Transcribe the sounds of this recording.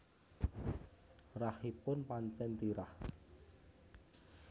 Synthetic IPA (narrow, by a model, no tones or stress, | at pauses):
rahipʊnpaɲt͡ʃɛnt̪iɾah